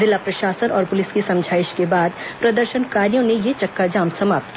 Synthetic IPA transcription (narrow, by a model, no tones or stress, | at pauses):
zɪlːapɾɐʃaːsənɔːɾpʊlɪskisɐ̃md͡ʒʱaːɪʃkebaːd̪pɾɐd̪əɾʃənkaːɾijõnejet͡ʃɐkːad͡ʒaːmsɐmaːp̚t̪ki